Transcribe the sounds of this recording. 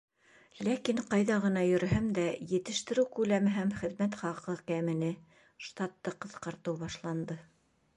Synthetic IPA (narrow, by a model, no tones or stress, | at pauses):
lækiɴqɑjðɑʁɤ̆nɑjɵ̆ɾ̆ɦæmd̪æjɘ̆t̪ɘ̆ʃt̪ɘ̆ɾɘwkʉlæmɘɦæmχɘ̆ðmæt̪χɑqɤkæmɘ̆nɘ | ʃt̪ɑt̪ːɤqɤ̆θqɑɾt̪ɤwbɑʃlˠɑnd̪ɤ